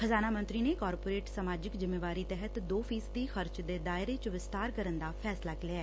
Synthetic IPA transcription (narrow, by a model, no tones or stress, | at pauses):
xʰəzaːnaːmənt̪ɾiːneːkɔːɾpoːɾeːʈsəmaːd͡ʒɪkzɪmːeːʋaːɾiːt̪ɛɦət̪d̪oːfʰiːsd̪iːxəɾt͡ʃd̪eːd̪aːɪɾeːt͡ʃʋɪst̪aːɾkəɾənd̪aːpʰɛːslaːkɪlɪaɛː